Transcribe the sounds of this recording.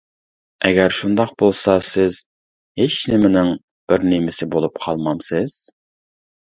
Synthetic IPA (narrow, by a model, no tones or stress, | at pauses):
ɛɡʲɛɾʃund̪ɑqbolˠsɑsɪz | heʃnɪmɪnɪŋ | b̥ɪɾnɪmɪsɪbolˠup̚qʰɑlˠmɑmsɪz̥